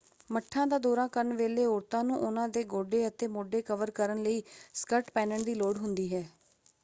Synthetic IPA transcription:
məʈʰːãːd̪aːd̪oːɾãːkənʋeːleːoːɾt̪ãːnũːʔʊnãːd̪eːɡoːɖeːət̪eːmoːɖeːkəʋəɾkəɾənləiːskəɾʈpɛːnəɳd̪iːloːɖɦʊnd̪iːɦɛː

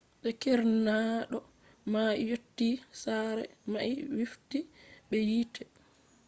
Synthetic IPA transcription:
ɓɛkɛɾnaɗɔ | majotːisaɾɛ̰maiwiftiɓɛjiːtʰɛ

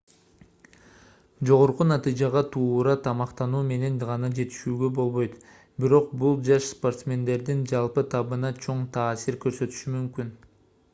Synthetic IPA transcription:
d͡ʒo̞ʁo̞ɾqunɑt̪ɨjd͡ʒɑʁɑt̪ʰuːɾɑt̪ʰɑmɑqt̪ɑnuːme̞ne̞nʁɑnɑd͡ʒe̞t̪i̥ʃyːɡø̞bo̞lˠβo̞jt̪ | biɾo̞q̚bulˠd͡ʒɑʃspo̞rt̪smʲe̞nd̪e̞ɾd̪ind͡ʒɑlˠpɯt̪ʰɑβɯnɑt͡ʃʰo̞ɴt̪ʰɑːsiɾkø̞ɾsø̞t̪y̥ʃymymkyn

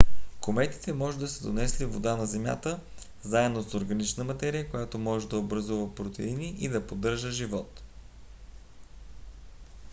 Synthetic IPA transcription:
komɛt̪i̥t̪ɛmɔʒɛd̪ɐsɛd̪onɛslivod̪anɐzɛmʲja̰t̪ə | zaɛd̪osoɾɡɐnit͡ʃnəmɐt̪ɛɾijəkojat̪omɔʒɛd̪ɐobɾɐzuvəpɾot̪ɛ̰iniʔid̪ɐpod̪ɤɾʒəʒivɔt̪

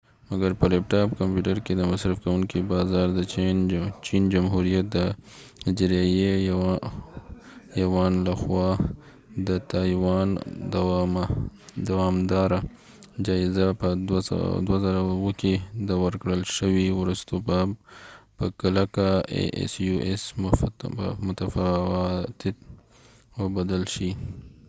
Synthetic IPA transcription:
maɡɐɾpəlɛpʈɑːpkampjuʈəɾked̪əmasɾafkawuŋkibɑzɑːɾd̪ə | t͡ʃind͡ʒamɦuɾijat̪̚d̪ə | d͡ʒɾeje | jawɑnlaxwɑ | d̪ət̪ajwɑnd̪ | d̪awɑːmd̪ɑɾa | d͡ʒɑɪzapəd̪̰d̪wazaɾawəked̪əwəɾkɽəlʃəwiwɾust̪obabpəkalakaḛḛsjuʔes | mʊt̪af | t̪ɪt̪ | wəbad̪alʃi

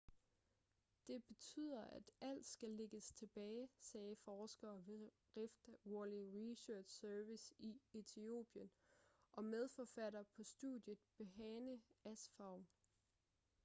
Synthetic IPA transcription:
d̥e̝b̥e̝t͡sʰy̰ð̰ˠɐʔæd̥æl̰d̥sɡ̥æle̝ɡ̥əst͡sʰe̝b̥ɛːɪsɛːfɒːsɡ̥ɐːʋ | ʁefd̥woliʁiɕøːd̥sœɐʋisiet͡sʰio̝̰ːb̥jənʔɒ̽með̞ˠfɒfæɾɐpʰɒ̽sd̥ṵðˠjəð̩ˠb̥e̝ɦɛːnəæsfɑ̈ʊ̰

